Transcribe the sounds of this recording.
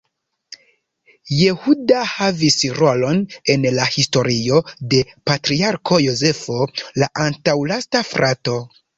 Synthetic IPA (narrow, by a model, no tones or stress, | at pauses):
jehudahavisɾo̞lo̞ne̞nlahisto̞ɾio̞de̞patɾiaɾkʰo̞jo̞ze̞fo̞laʔantawlastafɾato̞